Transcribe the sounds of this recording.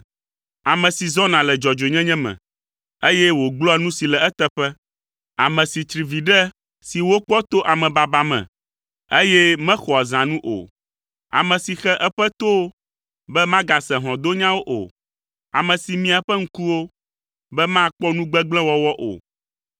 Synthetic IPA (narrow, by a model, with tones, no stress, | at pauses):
a˨mɛ̃˨si˨zɔ˦nã˨lɛ˨d͡ʒɔ˨d͡ʒo˨ɲɛ̃˦ɲɛ̃˦mɛ̰̃˨ | e˦jɛ˦wo˨ɡ͡blɔ˦ɛ˨nũ˦si˨lɛ˨ɛ˦t̪ɛ˦ɸɛ˦ | a˨mɛ̃˨si˨t͡ʃ̪ɾi˨vi˨ɖɛ˦ | si˨wo˦k͡pɔ˦t̪o˦ʔa˨mɛ̃˨ba˨ba˦mɛ̰̃˨ | e˦jɛ˦mɛ̃˦xɔ˨a˨zã˨nũ˦ʔo̰˨ | a̰˨mɛ̃˨si˨xɛ˦ʔɛ˦ɸɛ˦t̪o˦ | bɛ˦mã˦ɡa˨sɛ̃˨ɦɔ̃˨d̪o˦ɲã˦wo˦ʔo̰˨ | a̰˨mɛ̃˨si˨mĩ˦a˨ɸɛ˦ŋ̩˦ku˦wo˦ | bɛ˦mã˦k͡pɔ˦nũ˦ɡ͡bɛ˦ɡ͡blɛ̃˦wɔ˦wɔ˦ʔo̰˨